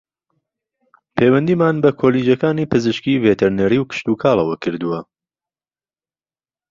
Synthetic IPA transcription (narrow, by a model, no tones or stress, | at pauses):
pʰeːwɐnd̪iːmaːnbɐkʰoliːd͡ʒɐkaːniːpɨzɨʃkiːvet̪ʰɛɾneɾiːwkɨ̥ʃt̪uːkʰaːlˠɐwɐkʰɨɾd̪uwɐ